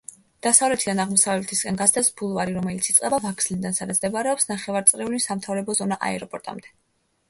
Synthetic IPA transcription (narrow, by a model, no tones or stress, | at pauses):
d̪̥asavlɛt̪ʰid̪anaʁmɔsavlɛt̪ʰiskʼɛnɡazd̪ɛsbulˠvaɾiɾɔmɛlit̪sʰit̪sʼqʼɛbavakʰslid̪ansad̪at̪ʰd̪ɛbaɾɛɔpsnaχɛvaɾt̪sʼɾɛulisamt̪ʰavɾɛbɔzɔnaʔa̰ɛɾɔpʼɔɾt̪ʼa̰md̪ɛ